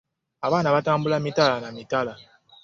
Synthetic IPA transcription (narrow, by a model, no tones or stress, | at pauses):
aβanaβatambulamitalanamitala